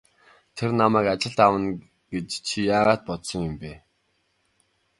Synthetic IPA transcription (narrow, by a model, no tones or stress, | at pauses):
t̪ʰernamæːkat͡ɕɪ̆ɮt̪awə̆n | ɡ̥et͡ɕt͡ɕʰijaːʁaːt̪̚pɔt̪sɞ̆ŋjʊmpeː